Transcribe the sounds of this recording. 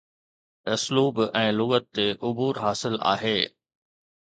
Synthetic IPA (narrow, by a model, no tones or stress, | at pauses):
ɪsluːbɛ̃ːlʊɣət̪t̪ːeʔʊbuːɾɦaːsɪla̰ːɦeː